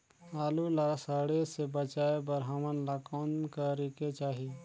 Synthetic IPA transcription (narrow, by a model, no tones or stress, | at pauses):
aːlulaɾsəɽesebət͡ʃaːebəɾɦamənlakoːnkəɾiket͡ʃaːɦi